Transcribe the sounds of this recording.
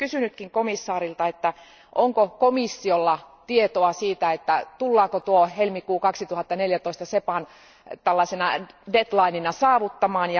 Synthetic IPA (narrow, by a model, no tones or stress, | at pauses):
kysynyt̪kiŋkomisːɑːɾilt̪ɑet̪ːæ | ʔoŋkokomisːiolːɑt̪iet̪oɑsiːt̪æet̪ːæt̪ulːɑːkot̪uohelmikuːkɑksit̪uhɑt̪ːɑneljæt̪oist̪ɑsepɑn | t̪ælːɑsenɑdet̪lɑininɑsɑːʋut̪ːɑmɑːnjɑ